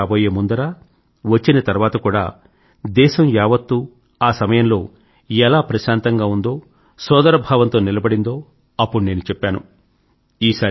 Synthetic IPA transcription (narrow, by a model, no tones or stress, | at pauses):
aːboːjeːmund̪ɐɾaː | ʋɐt͡ʃːinɐt̪ɐɾuʋaːt̪ɐkuːɽa̰ː | d̪ɛːʃɐmjaːʋɐt̪ːuː | aːsɐmɐjɐmlo̞ː | ɛlaːpɾɐʃaːnt̪ɐŋɡaːund̪o̞ː | sɔːd̪ɐɾɐbʱaːʋɐnt̪o̞ːnilɐbɐɽind̪o̞ː | ɐpːuɽuneːnut͡ʃɛpːaːnu | iːsaː